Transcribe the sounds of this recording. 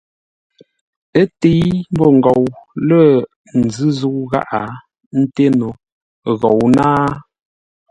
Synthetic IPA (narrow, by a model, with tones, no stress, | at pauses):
ə˦te˨˦jm̩˦bɔ˦˨ŋ̩˨ɡɔ˨wlə˦˨ | n̩˨zɨ˦zu˦ɣa̰˦ʔa˨ | n̩˦te˦no˨ | ɣɔ˨wnaː˦